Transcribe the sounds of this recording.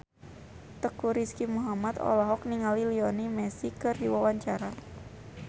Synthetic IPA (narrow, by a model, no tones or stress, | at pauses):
t̪əkuɾiskimuɦamat̪ɔ̰lɔɦɔk̚niŋaliliɔnimɛsikɨrdiwawaɲt͡ʃaɾa